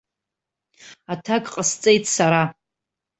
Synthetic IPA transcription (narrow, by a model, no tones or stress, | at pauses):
atʰakʼqʼəst͡sʼe̞jtʰʼsaɾa